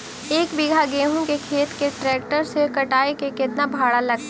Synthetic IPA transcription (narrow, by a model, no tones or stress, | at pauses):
eːkbɪɡʱaɡeːɦõkekʰeːt̪keʈɾɛːk̚ʈəɾsekɐʈaːekekɪt̪nabʱaːɽalɐɡ̚t̪ː